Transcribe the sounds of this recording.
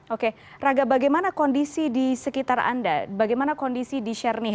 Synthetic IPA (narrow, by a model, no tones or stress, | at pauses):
oke | raɡabaɡajmanakɔndisidisəkit̪ara̰ndabaɡajmanakɔndisidiʃɛrni